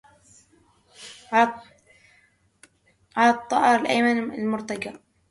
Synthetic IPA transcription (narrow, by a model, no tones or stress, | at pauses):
ʕalat̪ˤːɑʔɑɾˤɪlʔa̰jmanɪlmʊɾt̪aɡa